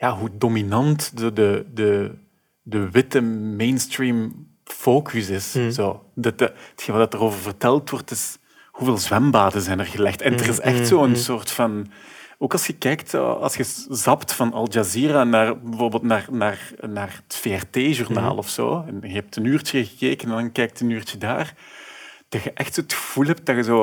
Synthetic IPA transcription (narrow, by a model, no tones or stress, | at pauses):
jaːɦudominɑntdodədə | dəʋɪtəmejnstriːm | foːkʰysɪszoːdɑətxenvɛlˠdɑtəroːvərvərtɛlˠtwɔrtɪs | huveːlˠzwɛmbaːdənzɛːnərɣəlɛxtɛndərɪsɛxtsoːənsoːrtfɑnoːkɑlˠsxəkɛjktso̰ːɑ̰lˠsxəzɑptfɑnɑ̰lˠʒaziːranaːrbəvoːrbeːlˠtnaːrnaːrnaːrətfeːɛrteːʒurna̰ːlˠɔfso̰ːɛnɣəɦɛp̚tənyːrt͡ʃəɣəkeːkənɛndɑnkɛjk̚tənyːrtədaːr | d̥ɑxəʔɛxtsoːətxə̥v̥ulˠɦɛp̚t̚d̥ɑɣəzoː